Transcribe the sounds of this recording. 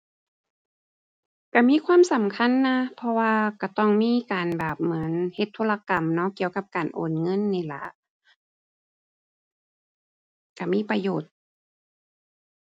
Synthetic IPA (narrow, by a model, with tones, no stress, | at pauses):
ka˧˩miː˧˥˨kʰwaː˧˥˨msa˨˦mkʰa˧˥˨nːa˧˥pʰɔ˧waː˧ka˧˩t̪ɔ˧˥˩ŋmiː˧˥˨kaː˨˩nbɛː˨˩p̚mɯ˩˦ə˦nhe˧˦t̪ʰːoː˧la˧ka˨˩mnɔ˧˥ki˧˨əwka˧˥p̚kaː˨˩nʔoː˨˩nŋɤ˧˥˨nːiː˧˩la̰˧˩ʔ | ka˧˩miː˧˥˨pa˧joː˨˩t̪̚